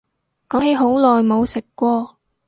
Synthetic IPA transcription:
kɔː˨˥ŋɦe˨˧˥jɦo˨˥wlɔː˨jmo˨˧wsɪ˨kːʷɔː˧

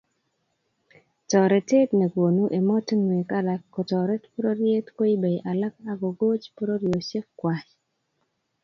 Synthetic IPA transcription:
tɔ˨ɾɛ˨te˦tnɛ˨ɡwo˨nu˦ʔe˨mɔ˦ti˦ŋwe˨ka˦la˨kːo˨tɔ˨ɾɛ˦tpo˦ɾo˦ɾje˦tko˦i˦be˨jʔa˨la˦k̚a˦ɡo˨ɡo˦t͡ʃpo˦ɾo˦ɾjo˨t͡ʃe˦fkwa˨t͡ʃ

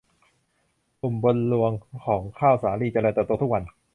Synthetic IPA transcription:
ʔu˨˩mbo˧nlu˧əŋkʰɔː˩˦ŋkʰaː˥˩wsaː˩˦liː˧˩t͡ɕa˧ɾaː˧t̪ɛː˨˩p̪̚uː˧t̪ʰu˥k̚wa˧n

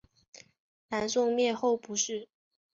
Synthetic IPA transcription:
na˧˥nsʊ˥˧ŋmjɛ˥˧xo˥˩ʊpu˧˥ʂɻ̩˥˩

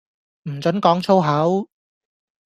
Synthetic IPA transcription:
m̩˨˩t͡sɵ˨˥nkɔː˨˥ŋt͡sʰo˥wɦɐ˨˥w

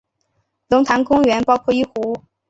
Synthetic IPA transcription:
lʊ˧˥ŋt̪ʰa˧˥nkʊ˥ŋɥɛ˧˥npɑ˥ʊkʰwɔ˥˩i˥˩xu˧˥

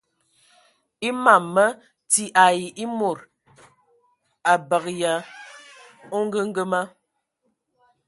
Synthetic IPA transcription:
i˦ma˨mːə˦ | ti˦ʔa˨ji˨ʔi˦mo˨ɾ | a˨bə˨ɣja˨ | o˦ŋ˦ɡə˦ŋ̩˦ɡə˦ma˦

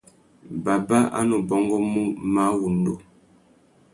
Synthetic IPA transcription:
ba˨ba˦a̰˦nu˨bɔ˦ŋɡɔ˦mu˦ma˦wu˨m˦do˨

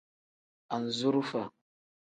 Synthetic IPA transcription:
a˨n˨zu˦ɾu˦fa˨

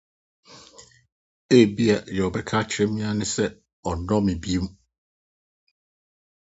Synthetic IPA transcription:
e˦˨bi˦a˨jɔ˨bɛ˨kʰa˦t͡ɕʰɾɛ̃˦mĩ˦a˦nʊ̃˦sɛ˦ | ɔ˨nɔ̃˦mɪ̃˨bi˦e˦m˦

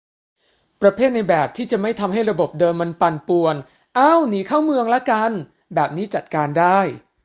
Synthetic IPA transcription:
pɾa˧pʰeː˥˩t̪̚na˧jbɛː˨˩p̚t̪ʰiː˥˩t͡ɕa˨˩ma˥˩jt̪ʰa˧mɦa˥˩jɾa˧bo˨˩p̚dɤː˧mːa˧npa˧npu˨˩ən | ʔa˥˩wniː˨˦kʰaː˥˩wmɯ˧əŋlɛ˦˥ka˧n | bɛː˨˩p̚niː˦˥t͡ɕa˨˩t̪̚kaː˧ndaː˥˩j

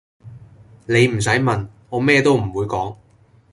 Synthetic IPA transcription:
ne˨˧jm̩˨˩s̬ɐ˨˥jmɐ˨n | ɔː˨˧mɛː˥t̪o˥wm̩˨˩wuː˨˧jkɔː˨˥ŋ

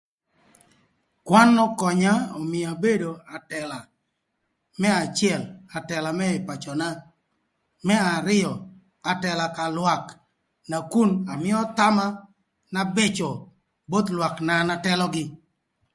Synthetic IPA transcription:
kwa˦nːɔ˦kɔ˨ɲa˦ɔ˨mɪ˨a˨be˦do˨a˨tɛ˨la˨ | mɛ˦a˨t͡ʃjɛ˦˨la˨tɛ˨la˨mɛ˦ɪ˨pa˨t͡ʃɔ˨na˦ | mɛ˦a˨ɾɪ˦jɔ˨ | a˨tɛ˨la˨ka˨lwa˨k | na˨ku˦na˨mɪ˦ɔ˦t̪a˦ma˦ | na˦be˦t͡ʃɔ˨ | bo˦t̪lwa˨kna˨na˦tɛ˦lɔ˦ɡɪ˦

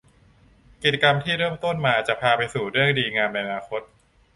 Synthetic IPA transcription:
ki˨˩t͡ɕa˧ka˧mt̪ʰiː˥˩ɾɤː˥˩mt̪o˥˩nmaː˧t͡ɕa˨˩pʰaː˧pa˧jsuː˨˩ɾɯ˥˩əŋdiː˧ŋaː˧mna˧jʔa˧naː˧kʰo˦˥t̪̚

